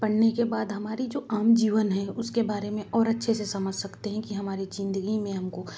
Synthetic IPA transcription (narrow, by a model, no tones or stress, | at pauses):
pɐɽnekebaːd̪ɦɐmaːɾid͡ʒoːʔaːmd͡ʒiːʋənɦɛ̃ʊskebaːɾemẽʔɔːɾɐtːʃʰesesɐməd͡ʒʱsɐkt̪eɦɛ̃kiɦɐmaːɾid͡ʒɪ̃nd̪əɡimẽɦɐmko